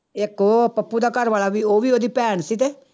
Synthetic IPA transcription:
ɪkoːpəpːud̪aːkəɾʋaːlaːbiːoːʋiːoːd̪iːpɛːɳsiːt̪eː

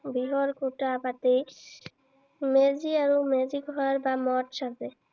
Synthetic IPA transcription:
biɦɔɹkotapatej | meziaɹumeziɡʱɔaɹbamɔtʃazɛ

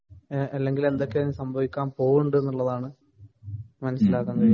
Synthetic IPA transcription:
ɐlːe̞ŋɡile̞nd̪o̞kːeɐnːsɐmbʱɐʋikʲːaːmpo̞ːɣuɳɖɨe̞nːuɭːɐðaːɳɨ | mɐnɐsːilaːkːɐnːɐð

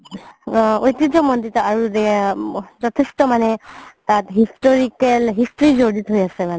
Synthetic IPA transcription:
ojt̪id͡ʒɔmɔnd̪it̪ɔaɹude | d͡ʒɔt̪ʰisʈɔmanet̪at̪ɦisʈɔɾikelɦisʈɾid͡ʒoɽit̪ɦojaseman

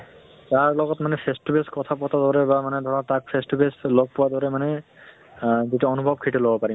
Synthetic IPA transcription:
taɹlɔɡɔtmanɛpʰestubeskɔt̪ʰapɔtad̪ɔɹɛbamanɛd̪ʱɔɹatak̚pʰestubeslɔɡ̚pʊwad̪ɔɹɛmanɛ | zituɔnubʱɔb̚kʰiʈɛlɔbɔpaɹim

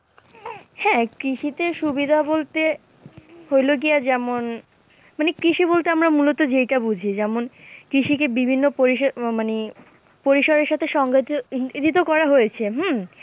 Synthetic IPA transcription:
hɛ̃kɾiʃit̪eʃubid̪ʱabolt̪e | hojloɡiad͡ʑɛmon | manekɾiʃibolt̪eamɾamulot̪od͡ʑejʈabud͡ʑʱid͡ʑɛmonkɾiʃikebibʱinːopoɾimane | poɾiʃoɾeɾʃat̪ʰeʃɔŋɡat̪t̪it̪̬okɔɾaɦojet͡ɕʰeɦm̩

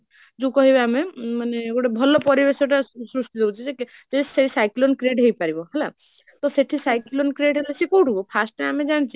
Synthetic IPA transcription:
d͡ʒũkɔɦibeamemaneɡoʈebʱɔlɔpɔɾibeseʈasɾusʈ̪id̪ebut͡ʃʰit͡ʃeke | d͡ʒeseisajklonkɾeʈɦejpaɾibɔɦela | t̪ɔseʈʰisajklonkɾeʈɦelesikowʈubɔpʰasʈneamed͡ʒaɽ̃t͡ʃʰi

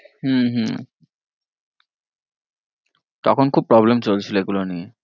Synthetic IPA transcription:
ɦumɦũ | t̪ɔkʰonkʰub̚pːɾɔblemt͡ɕolt͡ɕʰiloeɡulonije

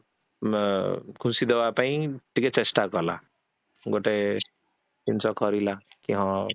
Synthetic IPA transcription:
kʰũsid̪ewapaĩʈiket͡ʃesʈakɔla̰ | ɡoʈe | int͡ʃɔkʌɾilakiɦɔ̃

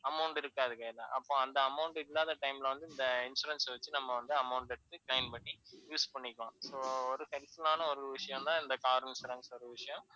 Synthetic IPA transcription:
ɐmɐʊɳʈɪɾɯkːaːðɯkɐːlɐʔɐpːõːɐnd̪ɐɐmɐʊɳʈɪlːaːðɐʈɐɪmlɐʋɐnd̪ɯɪnd̪ɐɪnsuɾɐnsʋɐt͡ʃːɯnɐmːɐʋɐnd̪ɯɐmɐʊɳʈɛɽɯt̪ːɯklɐɪnpɐʈːijuːspɐɳːɪkːõsoːɔɾɯhɛlsɯlaːnɐɔɾɯʋɪʂɐjɔ̃nt̪ãːɪnd̪ɐkaːɾɐnsɾɐŋsɔɾɯʋɪʂɐjɔ̃

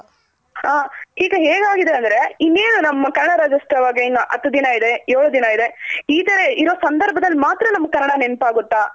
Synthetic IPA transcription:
haːhiːɡɐɦeːɡaːɡid̪e̞ɐnd̪ɐɾe̞inːeːnunɐmːɐkɐnɐɽaɾaːd͡ʒɐsʈɾɐʋaːɡeinːuʔɐt̪ːud̪inɐid̪e̞ɛɾɭud̪inɐid̪e̞iːt̪ɐɾe̞iɾo̞ːsɐnd̪ɐɾbʱɐd̪ɐlːimaːt̪ɾɐnɐmːkɐnːɐɽanenpaːɡut̪ːaː

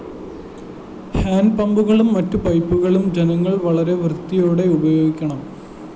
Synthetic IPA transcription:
haːnpɐmbuɣɐɭumːɐtːupɐjpːuɣɐɭumd͡ʑenɐŋːɐɭʋɐɭɐɾe̞ʋrt̪ːijoːɽe̞ubɐjo̞ːɡikʲːɐɳɐm

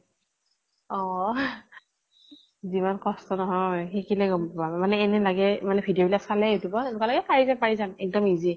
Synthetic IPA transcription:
ɔ | zimankɔstɔnɔɦɔjxekilɛɡɔmpamanɛːnɛlaɡɛmanɛbʰʱidijobilapsalɛjetubɔtenʊkalaɡɛpaɹizanpaɹizamɛk̚dɔmizi

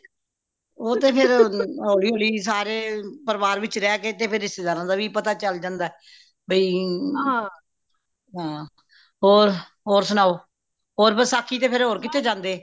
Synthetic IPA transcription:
oːt̪eːpʰɪɾoːɽiːɦoːɽiːsaːɾeːpəɾʋaːɾʋɪt͡ʃɾɛːkeːt̪eːpʰɪɾːɪst̪eːd̪aːɾãːnd̪aːʋiːpət̪aːt͡ʃəld͡ʒãːnd̪aɛː | bəiː | ɦãː | ɦoːɾ | ɦoːɾsʊnaːoː | ɦoːɾpəsaːkʰːiːt̪eːpʰɪɾɦoːɾkɪt̪eːd͡ʒãːnd̪eː

